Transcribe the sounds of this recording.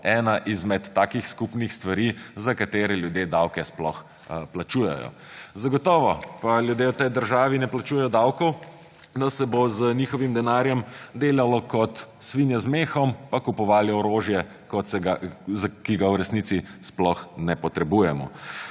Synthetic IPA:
ɛːnaʔizmɛt̪ːaːkixskupnixst̪ʋaɾizakat̪eːɾɛljud̪jed̪awkɛsplɔ̰x | plat͡ʃuːjɛ̰jɔ̰ | zaɡɔt̪ɔːʋɔpaljud̪jeːwt̪ɛjd̪əɾʒaːʋinɛplat͡ʃuːjɛjɔd̪awkɔw | d̪asɛbozənʲiːxɔʋimd̪ɛnaːɾjɛmd̪eːlalɔkɔt̪sʋinjɛzmeːxɔmpakupɔʋaːliɔɾoːʒjɛ | kɔsɛɡazakiɡawɾɛsnit̪sisplɔxnɛpɔt̪ɾɛbujɛmɔ̰

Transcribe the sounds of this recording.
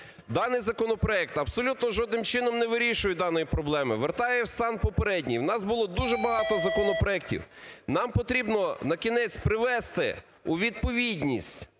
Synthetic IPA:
d̪ɑnɪjzɐkɔnɔpɾɔɛk̚t̪ɐbsɔlʲut̪nɔʒɔd̪nɪmt͡ʃɪnɔmnɛʋɪɾʲiʃʊjɛd̪ɑnɔjipɾɔblˠɛmɪʋert̪ɑjɛwst̪ɑnpɔpeɾɛdʲnʲijwnɑzbʊlˠɔd̪uʒɛbɐɦɑt̪ɔzɐkɔnɔpɾɔɛktʲḭwnɑmpɔt̪ɾʲibnɔnɐkʲinɛt͡sʲpɾɪʋɛst̪ɪ̰ | ʊʋʲid̪̚pɔʋʲidʲnʲisʲtʲ

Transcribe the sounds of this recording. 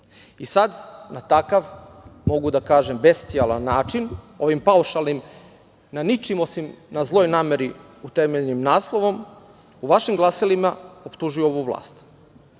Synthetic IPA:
isad̪nat̪akaʋmo̞ɡud̪akaːʒe̞mbe̞st̪ialˠanːaːt͡ʃin | o̞ʋimpauʃalˠnim | nanit͡ʃimo̞simnazlˠo̞jnaːme̞ɾi | ut̪emeʎnimnaːslˠo̞ʋo̞m | uʋaʃimɡlˠasilimaopt̪uʒujuoʋuʋlˠa̰ːst̪

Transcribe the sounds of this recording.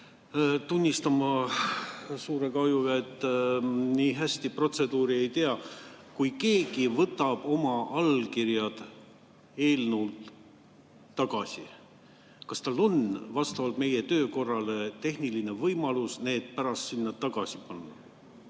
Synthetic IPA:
t̪unʲːist̪ɑmɑ | suːɾe̞kɑjuɡɑet̪ˑːniːɦæsʲt̪ipro̞t̪se̞d̪uːɾie̞jt̪eɑ | kujke̞ːɡivɤt̪ːˑɑb̥o̞mɑʔɑlkirjɑd̪̥ | e̞ːlnult̪ | ɑɡ̥ɑsʲi | kɑst̪ɑlːo̞nvɑst̪ɑvɑlt̪me̞je̞t̪ø̞ːko̞rːɑle̞t̪e̞hniline̞vɤjmɑlusne̞ːd̪̥pæɾɑst̪sinːɑt̪ɑɡ̥ɑsʲipɑnːɑ

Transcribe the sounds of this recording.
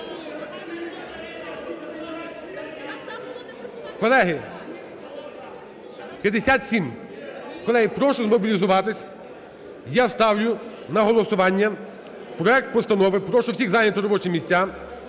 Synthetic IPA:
kɔlˠɛɦɪ | pʲjɐd̪esʲat̪sʲim | kɔlˠɛɦɪpɾɔʃɔzmɔbʲilʲizʊʋɑt̪ɪsʲ | jast̪ɑwjʲʊ | nɐɦɔlˠɔsʊʋɑnʲːɐ | pɾɔɛk̚t̪̚pɔst̪ɐnɔʋɪpɾɔʃɔwsʲiɣzɑɦnʲɐt̪ʊɾɔbɔt͡ʃɪmʲisʲtʲːa

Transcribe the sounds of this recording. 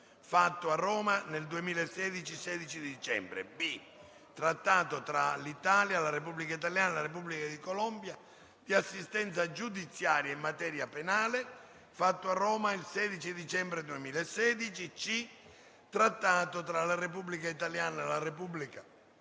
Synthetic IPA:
fat̪ːoarːɔːmaneld̪uemiːlasːɛːd̪it͡ʃisɛːd̪it͡ʃid̪id̪it͡ʃɛ̰mbɾḛbi | t̪ɾat̪ːaːt̪ot̪ɾalit̪aːljalaɾep̬ubːlikait̪aljaːnalarep̬ublikad̪ikɔlɔmbja | d̪̥iasːist̪ɛnt̪sad͡ʒud̪it̪sːjaːɾjaimːat̪ɛːɾjapenaːle | fat̪ːoarːɔːmailsɛːd̪it͡ʃid̪it͡ʃɛmbɾed̪uemiːlaesːɛːd̪it͡ʃit͡ʃi | t̪ɾat̪ːaːt̪ot̪ɾalarep̬ublikait̪aljaːnaelarepubːlika

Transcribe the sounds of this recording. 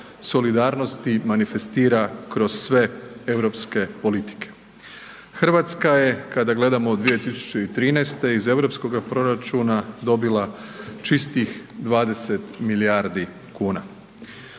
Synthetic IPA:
so̞lid̪aːɾno̞st̪imanife̞st̪iːɾakɾo̞z̥sʋe̞e̞ʋɾo̞pske̞po̞lit̪i̥kʰe̥ | xr̩ʋat̪skaje̞kad̪aɡle̞d̪amod̪ʋije̞t̪isu̥t͡ʃeit̪ɾiːnɛjst̪e̞ize̞ʋɾo̞psko̞ɡapɾo̞ɾat͡ʃunad̪o̞bilˠat͡ʃist̪ixd̪ʋaːd̪e̞set̪miliaːɾd̪i | kuːna

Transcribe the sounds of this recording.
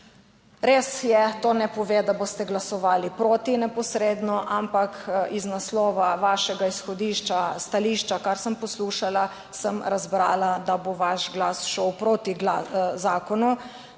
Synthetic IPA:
ɾeːsjɛt̪oːnɛpɔʋed̪aboːst̪ɛɡlasɔʋaːlipɾoːt̪inɛpɔsɾeːd̪nɔʔampakiznaslɔːʋaʋaːʃɛɡaisxɔd̪iːʃt͡ʃast̪aliʃt͡ʃakaɾsəmpɔsluːʃala | səmɾazbɾaːlad̪aboʋaʃɡlaːsʃɔwpɾot̪iɡlazaːkɔnu

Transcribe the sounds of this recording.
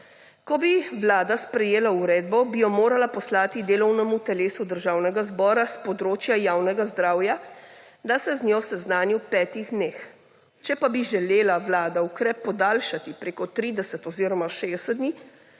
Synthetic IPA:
kɔbiʋlaːd̪aspɾɛjeːlauɾɛːd̪̚bɔbijɔmoːɾalapɔslaːt̪id̪eːlɔwnɛmut̪ɛleːsud̪əɾʒaːwnɛɡazbɔːɾaspɔd̪ɾoːt͡ʃjajaːwnɛɡazd̪ɾaːwja | d̪asɛzɲʲɔsɛznaːnjuwpɛːt̪iɣd̪neːx | t͡ʃɛpabiʒɛleːlaʋlaːd̪aukɾɛpːɔd̪aːlʃat̪ipɾeːkɔt̪ɾiːd̪ɛsɛt̪ɔziːɾɔmaʃed̪ɛsɛd̪d̪niː

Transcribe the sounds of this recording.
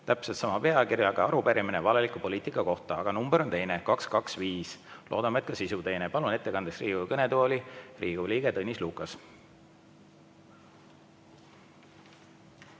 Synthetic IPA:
t̪æpselt̪sɑmɑpe̞ɑkirjɑɡ̥ɑɑɾupæɾiminevɑle̞likupo̞liːt̪ˑikːˑɑko̞ht̪ɑɑɡ̥ɑnumbeɾo̞nt̪e̞jne̞kɑkskɑksviːslʔo̞̰ːd̪ɑmɑet̪̚kɑsisut̪e̞jne̞pɑlune̞t̪ˑːe̞kɑnd̪esriːɡujkɤne̞d̪uolʲirʔiːɡ̥uliːɡ̥e̞t̪ɤnʲːisluːkːˑɑs

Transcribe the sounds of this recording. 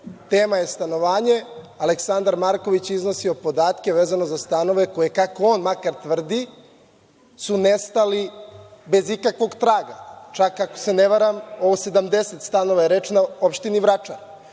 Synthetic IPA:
t̪eːmaje̞st̪ano̞ʋaːɲe̞ | aleksand̪aɾmaɾkoʋit͡ɕizno̞siopo̞d̪aːt̪ke̞ʋeːzano̞zast̪ano̞ʋe̞ko̞jekako̞onmakaɾt̪ʋr̩d̪i | sunest̪alibe̞zikakʋo̞ɡt̪ɾaːɡat͡ʃakako̥se̞neʋaɾamo̞ʋose̞d̪amd̪e̞set̪st̪ano̞ʋajeɾet͡ʃnaopʃt̪iniʋɾat͡ʃana

